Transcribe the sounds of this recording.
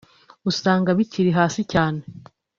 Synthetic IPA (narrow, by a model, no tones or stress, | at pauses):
usaːŋɡaβiciɾiɦaːsicaːne